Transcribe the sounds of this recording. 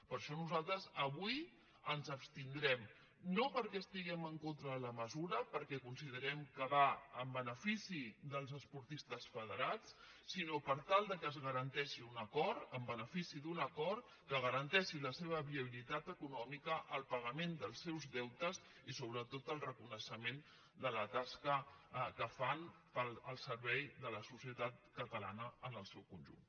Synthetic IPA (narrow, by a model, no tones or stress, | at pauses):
pəɾʃɔnuzalˠt̪ɾəzəβuj | ənzəpst̪ind̪ɾɛm | nopəɾkɛst̪iɣɛməŋkont̪ɾələməzuɾəpəɾkɛkunsið̞əɾɛmkəβaəmbənəfisiðəlˠzəspuɾt̪ist̪əsfəðəɾat͡sːinopəɾt̪alˠd̪əkəːzɣəɾənt̪ɛʃiunəkɔɾt̪əmbənəfisiðunəkɔɾ | kəɣ̞əɾənt̪ɛʃiləseβ̞əβiəβilit̪at̪əkunɔmikəʔəlˠpəɣ̞əmend̪əlˠsɛwzðɛwt̪əz | isoβɾət̪ot̪əlˠrəkunəʃəmen | d̪ələt̪askəkəfan | pələlˠsəɾβɛjðələsusiət̪at̪̚kət̪əla̰nəənəlˠsɛwkunʲʒṵn